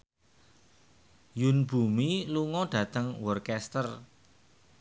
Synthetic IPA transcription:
junb̥ṳmiluŋɔɖ̥ä̤t̪əŋwɔrkɛst̪ər

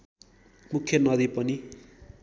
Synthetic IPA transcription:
mukʰːjʌnʌd̪ipʌni

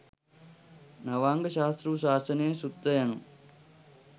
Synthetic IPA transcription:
nɐʋaːŋɡəʃaːst̪ɾuʋsaːsɐnejsut̪ːɐjanu

